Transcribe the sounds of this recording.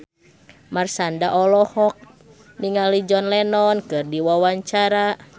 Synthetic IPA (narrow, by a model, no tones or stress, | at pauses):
marsandaʔɔlɔhɔk̚ | niŋalid͡ʒɔnlɛnɔnkɨrdiwawaɲt͡ʃaɾa